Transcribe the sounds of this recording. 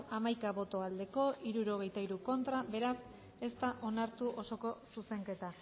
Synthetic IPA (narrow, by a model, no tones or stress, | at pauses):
amajkaβo̞t̪o̞ald̪e̞ko̞ʔiɾuɾo̞ɣ̞e̞jt̪aiɾuko̞nt̪ɾaβe̞ɾas | e̞st̪aʔo̞naɾt̪uʔo̞so̞ko̞suse̞ŋke̞t̪a